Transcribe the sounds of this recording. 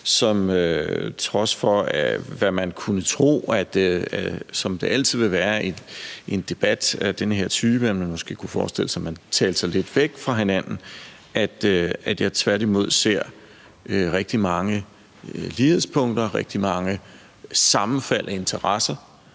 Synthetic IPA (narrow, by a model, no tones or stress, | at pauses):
sɒ̽møt͡sʰʁɒ̽sfɒ̽æʋæmænkʰunət͡sʰʁo̝̰ːæd̥æsɒ̽md̥e̝ʔæl̰dt͡sʰið̞̰ˠʋe̝ʋæːɐeʔe̝nd̥e̝b̥æd̥æd̥enəɦeɐ̰t͡sʰyːb̥ənmænmɒ̽sɡ̥e̝̰ːkʰufɒːsd̥e̝l̰əsæmænt͡sʰɛːld̥sɑ̈ɪle̝d̥ʋeɡ̥fʁɑ̈ɦe̝næn̰n̩ | ʔæd̥æd̥jɑ̈ɪt͡sʰʋæɐɾ̥imo̝ð̞̰ˠse̝ɐ̰ | øʁeɡ̥̚d̥imɑ̈ŋə | liheðˠspʰɔ̽ŋ̰d̥ɐʁeɡ̥̚d̥imɑ̈ŋə | sɑ̈mn̩fæl̰ʔɒe̝nt͡sʰɐʁɑsɐ